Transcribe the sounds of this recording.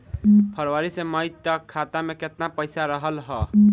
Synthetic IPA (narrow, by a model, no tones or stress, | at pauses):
pʰəɾwaɾisẽməjt̪əkkʰːat̪ameket̪napəjsaɾəɦəlɦə